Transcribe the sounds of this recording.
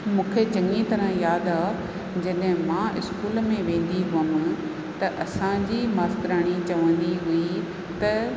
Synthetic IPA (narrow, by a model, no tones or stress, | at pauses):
mũːkʰed͡ʑɐŋit̪ɐɾə̃jaːd̪aː | d͡ʑɐɗɦɪ̃mãːʔɪskuːlmẽʋẽːn̆d̪iɦʊəm̆ | t̪ɐʔɐsãd͡ʑiːmaːsk̪ɾaːɽ̃it͡ɕɐʋə̃nd̪iɦui | t̪ɐ